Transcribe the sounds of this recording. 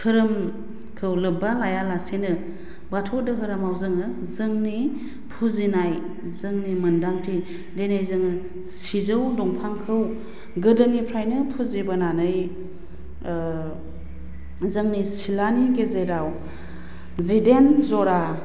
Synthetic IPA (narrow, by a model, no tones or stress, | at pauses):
hʰɯɾɯm | kʰɯwlɯbalajalasenɯ | batʰɔdɯɦɯɾɯmawzɯŋɯ | zɯŋni | pʰuzinaj | zɯŋnimɯndamtʰi | denajzɯŋɯ | sizɯwdɔŋpʰaŋkʰɯw | ɡɯdɯnipʰɾajnɯpʰuzibɯnanɯj | zɯŋnisilaniɡezeɾaw | zidenzɔɾa